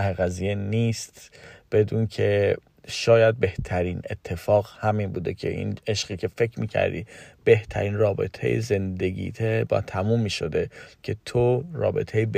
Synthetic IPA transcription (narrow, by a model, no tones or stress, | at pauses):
æheɣæziːjeniːst̪b̥e̞d̪uːncʰe̞ | ʃɒːjæd̪̚be̞ht̪ʰæɾiːne̞̰t̪ʰːe̞fɒːɣhæminbuːd̪e̞cʰḛʔḭneʃɢiːkʰe̞fe̞cʰmiːcʰæ̰ɾd̪ḭb̥e̞ht̪ʰæ̰ɾiːnrɒːbe̞̰t̪ʰḛjḛze̞nd̪e̞ɟḭːt̪ʰebɒ̰t̪ʰæmumːiːʃo̞d̪e̞cʰe̞t̪ʰoɾɒ̰ːbe̞̰t̪ʰejeb